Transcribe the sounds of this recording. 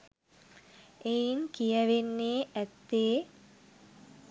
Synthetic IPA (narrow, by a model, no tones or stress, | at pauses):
ejinkijəʋenːeːʔæt̪ːeː